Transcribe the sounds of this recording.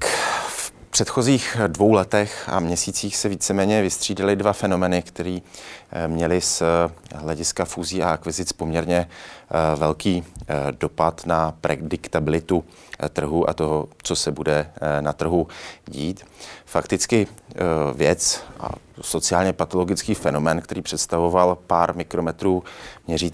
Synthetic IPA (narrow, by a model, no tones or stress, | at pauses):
fpr̥ɛt̪xo̞ziːxdvo̞wlɛt̪ɛxʔa̰mɲɛsiːt͡siːxsɛviːt͡sɛmɛːɲɛvɪst̪r̝̥iːdalɪdvafɛno̞mɛːnɪkt̪ɛɾiːmɲɛlɪsɦlɛɟɪskafuːziːaʔakvɪzɪt͡spo̞mɲɛɾɲɛ | vɛlkiːdo̞pat̪napɾʔɛ̰dɪkt̪abɪlɪt̪u | t̪r̩ɦuʔa̰t̪o̞ɦot͡so̞sɛbudɛnat̪r̩ɦuɟiːt̪fakt̪ɪt͡skɪ | vjɛt͡sʔa̰so̞t͡sɪaːlɲɛpat̪o̞lo̞ɡɪt͡skiːfɛno̞mɛːnkt̪ɛɾiːpr̝̥ɛt̪st̪avo̞valpaːɾmɪkɾo̞mɛt̪ɾuːmɲɛriːt̪